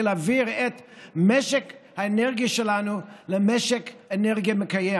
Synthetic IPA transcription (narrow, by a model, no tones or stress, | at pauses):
laviʁɛtmɛʃɛkhaenɛʁɡiəʃɛlanuləmɛʃɛkɛnɛʁɡiəməkajɛ